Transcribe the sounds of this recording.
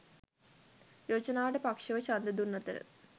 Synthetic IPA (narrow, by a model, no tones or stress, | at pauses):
joːd͡ʑɐnaːɽepɐkʂɐʋɐt͡ɕɐnd̪ɐd̪unːɐt̪ːɐ̰ɾɨ̰